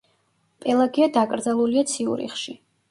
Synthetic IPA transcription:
pʼɛlˠaɡiad̪akʼɾd̪zalˠuliat̪sʰiṵɾḭχʃi

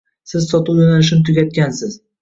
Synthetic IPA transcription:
sɪzsɒt̪ʊwjonalɪʃ̬ɪnɪt̪ʰʊɡʲat̪̚kʲansɪz

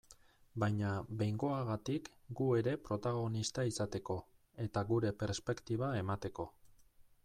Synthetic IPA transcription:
bajɲaβe̞jŋɡo̞aɣat̪ikɡue̞ɾe̞pɾo̞t̪aɣ̞o̞nist̪aisat̪e̞ko̞ | e̞t̪aɣuɾe̞pe̞ɾspe̞kt̪iβ̞ae̞mat̪e̞ko̞

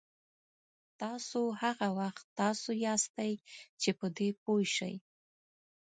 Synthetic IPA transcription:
t̪ɑsohaɣawaxt̪ːɑsojɑst̪ajt͡ʃepəd̪ep̚ojʃə̰j

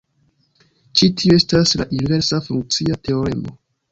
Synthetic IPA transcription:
t͡ʃitʰioe̞staslaʔinive̞ɾsafuŋk̚t͡siate̞o̞ɾḛmo̞̰

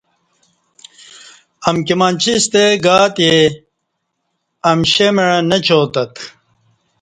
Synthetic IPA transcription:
ɐmkimɐnt͡ɕʰist̪eɡaːt̪je | ɐmɕemɐɻɐnɐt͡ɕʰoːt̪ɐt̪

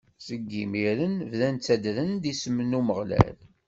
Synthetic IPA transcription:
səɡːimiɾənvðænt͡sːæd̪ɾənd̪isəmənuməʁlæ̰l

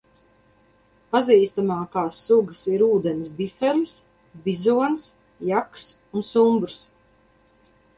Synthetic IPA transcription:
paziːst̪amaːkaːsːuɡəsiɾuːd̪ɛnsbifɛlis | bʲizuɔns | jaks | unsumbɾs

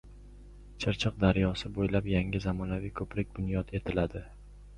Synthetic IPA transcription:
t͡ʃʰɪɾt͡ʃʰɨq̚d̪aɾjɒsɪbojlapjaŋʲɪzamɒnavijkʰɵpɾɪk̚ʲbʊnjɒt̪e̞t̪ʰɪlad̪ɪ

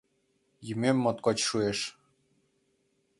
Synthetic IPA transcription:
jymʲemːŏt̪kot͡ɕʃueʃ

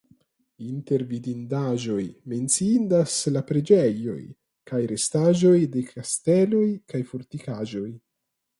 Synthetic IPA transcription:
inte̞ɾvidindaʒo̞jme̞nt͡siindaslapɾe̞d͡ʒejo̞̰j | kajɾe̞staʒo̞jde̞kʰaste̞lo̞jkajfoɾtikaʒo̞j

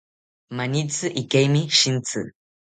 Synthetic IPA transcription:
manit͡sɨʔikejmiʃint͡sɨ̰

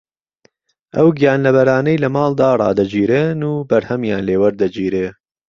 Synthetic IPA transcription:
ʔɐwɡijaːnlɐbɐɾaːnɐjlɐmɑːld̪aːrˤɑ̰ːd̪ɐd͡ʒiːɾeːnuːbɐɾhɐmjaːnleːwɐɾd̪ɐd͡ʒiːɾeː

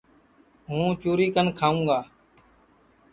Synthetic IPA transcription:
ɦũːt͡ʃuːɾiːkənkʰaːũːɡaː

